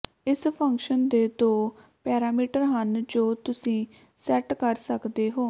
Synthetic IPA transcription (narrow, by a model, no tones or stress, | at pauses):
ɪspʰəŋkʃənd̪eːt̪õː | pɛːɾaːmiːʈəɾɦənd͡ʒoːt̪ʊsĩː | sɛʈkəɾsəkd̪eːɦoː